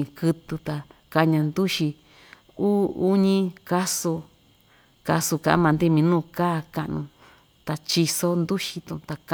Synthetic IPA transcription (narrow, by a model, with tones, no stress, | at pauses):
kɨ˧t̪u˧t̪a˧ka˧ɲã˧nd̪u˦ʃi˧ | uː˦u˦ɲĩ˦ka˦su˧ | ka˧su˧kã̰˧ʔã̰˧˦mã˧nd̪i˦˧mĩ˧nũː˦˧˨kaː˦ka˧ʔnṵ̃˧ | t̪a˧t͡ʃi˧so˧nd̪u˦ʃi˧t̪ṵ̃˧˨˧t̪a˧k